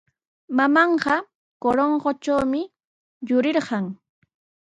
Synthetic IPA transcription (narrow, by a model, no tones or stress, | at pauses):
mamɑɴɢɑ | koɾoɴɢot͡ʃawmɪ | jʊɾɪɾɢɑŋ